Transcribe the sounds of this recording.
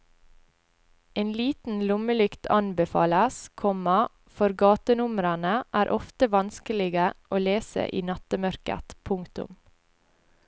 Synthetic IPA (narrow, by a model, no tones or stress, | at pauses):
eːnliːt̪n̩lʊməlʏkt̪ʰɑnbɛfɑ̰ːləskʰɔmɑ | fɔɾɡɑːt̪ənʊmɾɑnəʔæːɾʔɔft̪əʋɑnskəlɪɡəʔoːleːsə̰ʔḭːnɑt̪əmœɾkə̰t̪pʰʊŋt̪ʊ̰m